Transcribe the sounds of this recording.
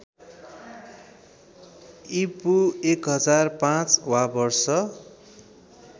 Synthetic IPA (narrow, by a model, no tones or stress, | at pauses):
ipuekɦʌd͡zarpãt͡swabʌrsʌ